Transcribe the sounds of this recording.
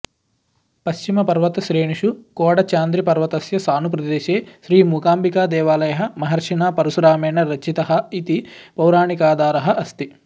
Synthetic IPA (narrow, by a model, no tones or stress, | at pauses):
pɐʃt͡ʃimɐpɐɾʋɐt̪ɐʃɾiːɳiʃukɔːɽɐt͡ʃaːnd̪ɾipɐɾʋɐt̪ɐsjɐsaːnupɾɐd̪eːʃeːʃɾiːmuːkaːmbikaːd̪ɛːʋaːlɐjɐɦɐmɐɦɐɾʂiɳaːpɐɾusɾaːmeːɳɐɾɐt͡ʃːit̪ɐɦɐ̆it̪ipɐwɾaːɳikaːd̪aːɾɐɦɐʔɐst̪i